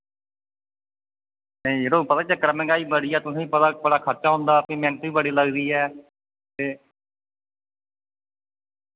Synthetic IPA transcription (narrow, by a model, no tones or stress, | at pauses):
nəĩɾoːpət̪aːt͡ʃəkəɾəmɛ̃ːŋɡaːiːbəɽiːɛːt̪ʊsẽːipət̪aːbəɽaːkʰətːt͡ʃaːɦʊ̃nd̪aːpiːmɛ̃ːnt̪ʋiːbəɽiːləɡd̪iːɛː | t̪eː